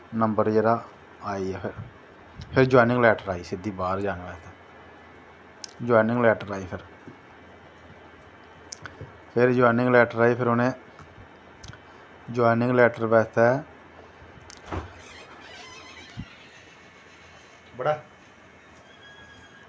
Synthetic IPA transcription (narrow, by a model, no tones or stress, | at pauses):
nəmbəɾd͡ʒeːɾaː | aːiɛːpʰɪɾ | pʰɪɾd͡ʒɔːɪnɪ̃ŋɡlɛːʈəɾaːiːsɪd̪iːbaːɾd͡ʒaːneːʋɛːt̪ɛː | d͡ʒɔːnɪ̃ŋɡlɛːʈəɾaːipʰɪɾ | pʰɪɾd͡ʒɔːjnɪ̃ŋɡlɛːʈəɾaːipʰɪɾonẽː | d͡ʒoːɪnɪ̃ŋɡlɛːʈəɾʋɛːt̪ɛː | bəɽaː